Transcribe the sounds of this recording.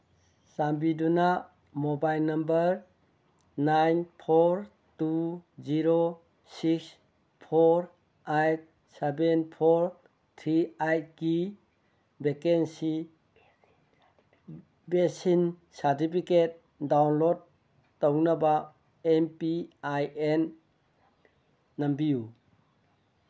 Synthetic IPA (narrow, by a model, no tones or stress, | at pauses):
sambiduna | mobajlnambəɾ | najnpʰoɾ | tuziɾo | siks | pʰoɾ | ajt̚ | sebenpʰoɾ | tʰɾiajt̚ɡi | bekensi | besinsaɾtipʰiket̚ | dawnlodː | ownaba | empiajen | ambiju